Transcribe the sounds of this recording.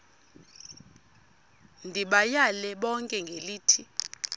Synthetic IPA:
ndʱiɓajalɛɓɔŋkʼɛŋɡʱeliːtʰi

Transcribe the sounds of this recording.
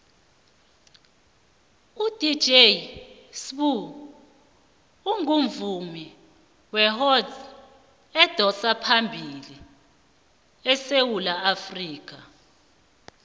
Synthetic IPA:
ud̥i̥d͡ʒe | sɓu | uŋuɱvumi | wɛɦɔz | ɛd̥ʱɔsapʰambʱili | ɛsewulaafriːk̬ʰa

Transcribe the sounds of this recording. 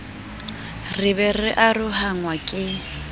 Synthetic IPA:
rɪβɛrɪʔarʊɦaŋwakʼɪ

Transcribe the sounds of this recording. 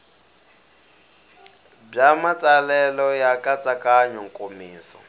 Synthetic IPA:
b͡ʐamat͡sʼalɛlɔjakʼat͡sʼakʼaɲɔŋkʼomiːsɔ̰

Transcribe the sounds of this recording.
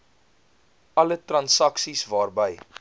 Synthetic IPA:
ɐlətrɐnsɐksisvɑːrbəj

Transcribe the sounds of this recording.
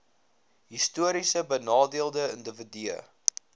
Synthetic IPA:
ɦistuəɾisəbənɑːdiəlˠdəəndəvədiə̰

